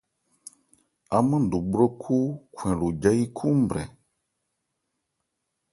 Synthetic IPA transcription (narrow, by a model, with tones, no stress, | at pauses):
a˨mə̃˦˨du˨ɡ͡bɾo˦kʰu˦kʰwɛ̃˨lo˨d͡ʒa˦ji˦kʰu˦m̩˦˨bɾɛ̰˨